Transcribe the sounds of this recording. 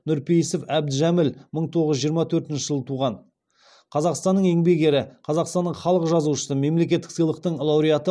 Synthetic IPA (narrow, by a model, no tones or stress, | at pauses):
nʊɾpʰejsefæb̚d̪ʒæmɪlməɴt̪ʰo̞ʁəzːʒijəɾmɑt̪ʰɵɾt̪ɪnʃɪʒəlˠət̪ʰuʁɑn | qʰɑzɑqst̪ɑnːəɴe̞ŋbe̞ɡʲe̞ɾɪqʰɑzɑqst̪ɑnːəɴχɑlˠəqəʒɑzuʃə̥səme̞mle̞kʲe̞t̪ːɪksəjlˠəq̚t̪əɴlˠɑwɾijɑt̪ə